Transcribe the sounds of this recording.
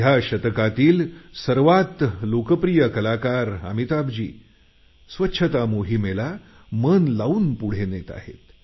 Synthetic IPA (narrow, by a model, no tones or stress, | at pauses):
jaɕət̪kat̪iːlsəɾʋat̪lokəpɾijəkəlakaɾa̰mit̪abd͡ʑḭː | sʋətːɕʰət̪amoɦimela | mənlauːnpuɽ̤enet̪a̰ɦḛt̪